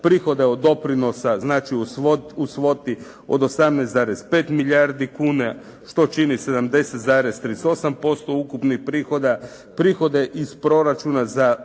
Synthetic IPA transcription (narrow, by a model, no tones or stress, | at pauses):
pɾixo̞d̪e̞od̪ːo̞pɾino̞saznaːt͡ʃiuousʋo̞t̪i | o̰d̪o̞samneszaːɾespe̞ːt̪miʎaɾd̪ikuːna | ʃt̪o̞t͡ʃinise̞d̪amd̪e̞set̪zaːɾest̪ɾiso̞sampo̞st̪o̞ukupnixpɾiːxo̞d̪a | pɾixo̞d̪e̞ʔispɾo̞ɾat͡ʃunaza